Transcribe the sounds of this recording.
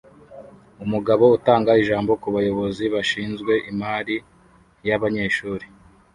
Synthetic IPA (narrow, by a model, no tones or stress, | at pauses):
umuɡaβo̞utaːŋɡaiʒaːmbo̞kuβajo̞βo̞ziβaʃiːnzɡwe̞ʔimaːɾi | jaβaɲe̞ːʃuːɾi